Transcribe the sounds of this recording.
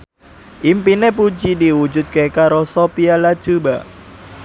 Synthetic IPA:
ʔimpinep̬ud͡ʒidiwu̥d͡ʒʊt̪̚kekaɾosopialḁd͡ʒ̥uba

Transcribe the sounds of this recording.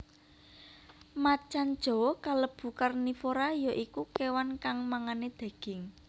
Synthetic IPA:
mat͡ʃand̥ʒ̥ɔ̤kaləb̥ṳkarnifoɾajɔʔikukewankaŋmaŋaned̪̥e̤ɡ̥ɪ̤ŋ

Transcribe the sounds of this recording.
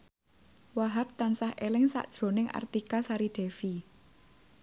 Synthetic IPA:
waɦap̚t̪ansahelɪŋsa̰ʔd̥ʒ̥ɾo̤nɪŋa̰rt̪ikasaɾiɖ̥ɛ̤fi

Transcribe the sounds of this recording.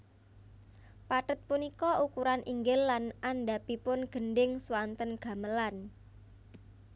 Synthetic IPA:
paʈət̪̚punikɔʔukuɾanʔiŋɡɪlːanʔanɖapipʊnɡ̥ə̤nɖɪŋswant̪ənɡ̥a̤məlan

